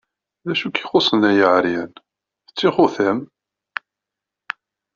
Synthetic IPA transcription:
ðæʃukiχosˤənæjəʕɾjæn | θət͡sːiχuθæm

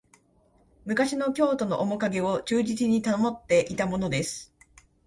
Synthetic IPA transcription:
mɯ̟kaɕino̞kʲo̞ːt̪o̞no̞̰ʔomo̞kaɡe̞o̞t͡ɕɨːʑit͡sɨɲ̟it̪ano̞mo̞t̪ːe̞ʔit̪amo̞no̞d̪e̞sɨ̥

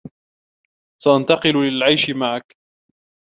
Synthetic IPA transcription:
saʔant̪ɑqɨllɪlʕajʃɪmaʕak

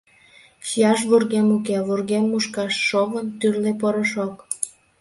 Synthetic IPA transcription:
ʃijɑʃ̬βurɣemukeβurɣemːuʃkɑʃːoβənt̪yrlepoɾəʃok

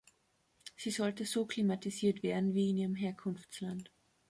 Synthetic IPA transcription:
z̥iːzɔltəzoːkʰl̥imatiziːɐtv̥eːɐdn̩viːɪniːʁəmɦeːɐkʰʊnft͡slant

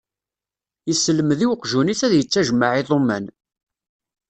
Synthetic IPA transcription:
jəsːəlːəmðiwəqʒuniθæðjət͡sːæʒəmaʕiðˤomːæ̰n

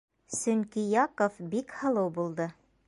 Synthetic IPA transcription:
sɵŋkijɑqofbikhɤ̆lˠɤwbulˠd̪ɤ

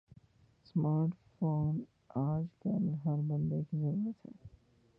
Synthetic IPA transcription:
smaːɾʈfoːn | aːd͡ʒkɐlɦɐɾbɐ̃nd̪ekizɐɾuːɾət̪ɛ̰

